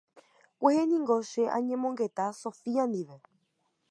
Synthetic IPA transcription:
kʷehenĩŋɡo̞ʃe̞ʔã̰ɲẽmõŋɡe̞t̪aso̞fiãnd̪iʋe̞

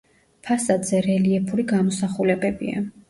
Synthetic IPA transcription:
pʰasad̪zɛɾɛliɛpʰuɾiɡamɔsaχulɛbɛbḭa̰

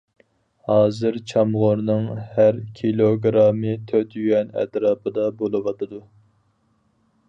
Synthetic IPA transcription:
hɑːzɨɾt͡ʃʰɑmʁoɾnɨŋhæɾkʲʰilˠoɡɾɑmɨt̪ʰøt̪jyɛnɛ̰t̪ɾɑːpʰɨd̪ɑbolˠɨwɑt̪ʰɨd̪u

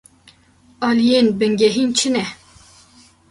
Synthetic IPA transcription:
ɑːlijeːnbɨŋɡɛɦiːnt͡ʃʰɨnɛ

